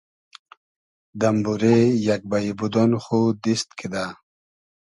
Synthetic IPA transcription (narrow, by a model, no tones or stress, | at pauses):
d̪ambuɾejak̚baibud̪onxud̪ist̪kʰid̪a